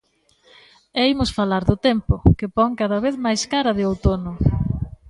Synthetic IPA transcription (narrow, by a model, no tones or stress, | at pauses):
ejmʊsfalaɾðʊt̪ɛmpʊkɪpɔŋkaðɐβeθmajskaɾɐðɪowt̪onʊ